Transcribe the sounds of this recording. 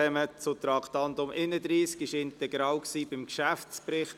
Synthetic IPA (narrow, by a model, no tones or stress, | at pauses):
ɛmət͡sʊt̪ɾɑktɑnd̪ʊmʔɪnəd̪ɾiːskɪʃɪntɛɡɾɑːwksiːbɪmkʃæft͡spɾɪχt